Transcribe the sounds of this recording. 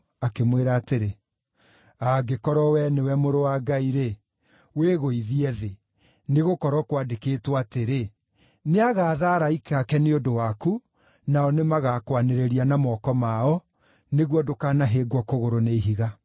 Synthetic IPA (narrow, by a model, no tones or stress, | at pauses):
akemweɾaːteɾe | aɡekɔɾɔwɛnewɛmoɾowaːɡaiɾe | weɣoiðiɛðe | neɣokɔɾɔkwadekeːtwateɾe | neaɣaːðaɾaikakɛneodowaku | naɔnemaɣakwaneɾeɾianamɔkɔmaɔ | neɣwɔdokaːnaɦeːɡwɔkoɣoɾoneiɦiɣa